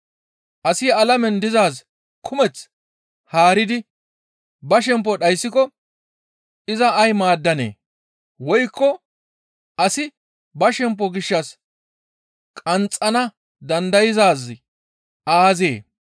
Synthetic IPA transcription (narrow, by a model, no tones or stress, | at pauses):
ʔɐsɪɐlɐmɛnd̪ɪzaːs | kʰʊmɛt͡s | haːɾɪd̪ɪ | bɐʃ̬ɛmp̬ːɔɗɐjsːɪkɔ | ɪzɐːjmaːd̪ːɐnḛː | wɔjkːɔ | ʔɐsɪ | bɐʃɛmp̬ːɔɡɪʃːɐs | kʼɐnt͡sʼːɐnɐ | d̪ɐnd̪ɐjɪzaːz | ʔaːzḛː